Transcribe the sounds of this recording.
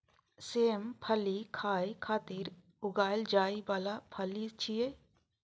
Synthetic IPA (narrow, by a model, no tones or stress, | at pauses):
seːmpʰəlikʰaːikʰaːt̪iːɾ | ʊɡaːld͡ʒaːibaːlapʰəlit͡ʃʰije